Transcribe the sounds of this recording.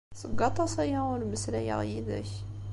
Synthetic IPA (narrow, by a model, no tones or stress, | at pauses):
səɡɑt̪ˤːɑsæjaʊnməslæjə̰ʁjid̪æ̰ç